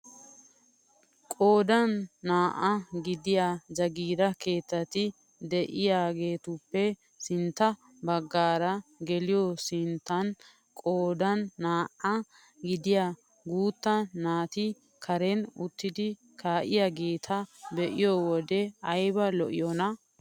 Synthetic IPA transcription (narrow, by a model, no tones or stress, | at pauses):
kʼo̞ːd̪ɐnːaːʔɐɡɪd̪ɪjaːd͡ʒɐɡiːɾɐke̞ːt̪ːɐt̪ɪ | d̪ɛʔɪjaːɡe̞ːt̪ʊpːɛ | sɪnt̪ːɐ | bɐɡːaːɾɐɡɛlɪjosɪnt̪ːɐn | kʼoːd̪ɐnːaːʔɐ | ɡɪd̪ɪjaː | ɡuːt̪ːɐːaːt̪ɪ | kʰɐɾɛnʊt̪ːɪd̪ɪ | kʰaːʔɪjaɡe̞ːt̪ʰɐbɛʔɪjɔwɔd̪ɛɐjbɐlɔʔɪjɔnɐ